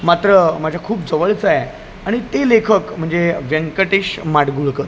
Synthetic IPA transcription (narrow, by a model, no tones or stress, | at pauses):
mat̪ɾəmad͡ʑʱakʰuːp̚d͡zəʋəɭt͡sae | aɽ̃it̪elekʰəkm̤əɳd͡zeʋjəŋkəʈeɕmaɽɡuɭkə